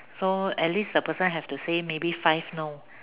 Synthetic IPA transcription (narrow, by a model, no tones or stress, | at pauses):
soɛt̚lisdəpəsə̃nɦɛftusemebifaɪfno